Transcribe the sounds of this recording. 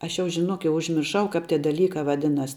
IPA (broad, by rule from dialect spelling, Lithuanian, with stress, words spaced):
ˈɐʃ jɛʊ ʒʲɪˈnoːk jɛʊ ʊʒʲmʲɪrˈʃɐʊ ˈkɑːp ˈtʲiɛ dɐˈlʲiːkɑː ʋɐˈdʲɪnɐs